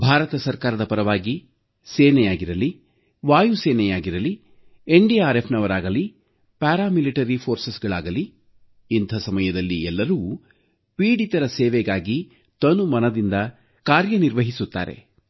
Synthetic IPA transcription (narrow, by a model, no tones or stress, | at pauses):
bʱaːɾɐt̪ɐsɐɾkaːɾɐd̪ɐpɐɾɐʋaːɡi | seːnɛjaːɡiɾɐli | ʋaːjuseːnɛjaːɡiɾɐli | eɳɖiaːɾepʰnɐʋɐɾaːɡɐli | paːɾaːmiliʈɐɾipʰo̞ːɾsesɡɐɭaːɡɐliː | nt̪ʰɐsɐmɐjɐd̪ɐlːiɛlːɐɾuː | piːɖit̪ɐɾɐseːʋɛɡaːɡi | t̪ɐnumɐnɐd̪ind̪ɐ | kaːɾjɐniɾʋɐɦisut̪ːa̰ːɾe̞̰